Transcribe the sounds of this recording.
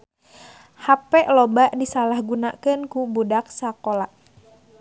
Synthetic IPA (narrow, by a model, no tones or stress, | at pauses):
hapɛʔlɔbaʔdisalahɡunaʔkɨnkubudak̚sakolaʔ